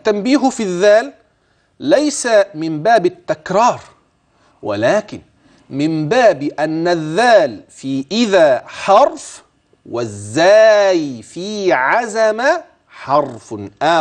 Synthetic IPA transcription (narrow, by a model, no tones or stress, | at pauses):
t̪ːambiːɦʊfiðːaːlː | ajsamɪmbaːbɪt̪ːakɾˤɑːɾˤ | wɪ̰laːkɪn | mɪmbaːbʔanːaðːaːlfiːʔɪðaːħɑɾˤf | wɪzːaːjfiːʕazama | ħɑɾˤfʔaː